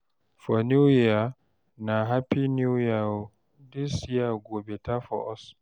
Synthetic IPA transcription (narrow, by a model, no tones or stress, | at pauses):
fɔnuja | naɦapinujau | disiaɡɔbɛtafɔ̰ʔɔs